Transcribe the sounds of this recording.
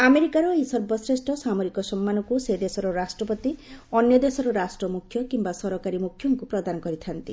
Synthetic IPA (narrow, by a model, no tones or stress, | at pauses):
ameɾikaɾɔejsɔɾbɔsɾesʈʰɔsamoɾikɔsɔmːanɔkused̪esɔɾɔɾasʈɾɔpɔt̪iɔnjɔd̪esɔɾɔɾasʈɾɔmukʰːjɔkimbasɔɾɔkaɾimukʰjɔŋkupɾɔd̪anɔkɔɾit̪ʰant̪i